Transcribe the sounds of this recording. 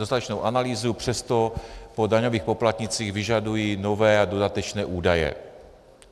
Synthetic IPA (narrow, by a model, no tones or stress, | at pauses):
st̪at̪ɛt͡ʃnowʔanaliːzupr̝̥ɛst̪o̞po̞daɲo̞viːxpo̞plat̪ɲɪt͡siːɣvɪʒadujino̞vɛːado̞dat̪ɛt͡ʃnɛːʔuːdajɛ̰